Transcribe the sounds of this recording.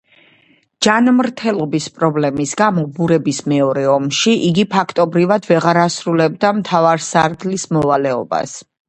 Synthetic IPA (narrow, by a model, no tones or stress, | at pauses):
d͡ʒanmɾt̪ʰɛlˠɔbispʼɾɔblɛmisɡamɔbuɾɛbismɛɔɾɛɔmʃiʔiɡipʰakʰt̪ʼɔbɾivad̪vɛʁaɾasɾulɛb̚d̪amt̪ʰavaɾsaɾd̪lismɔvalɛɔ̰ba̰s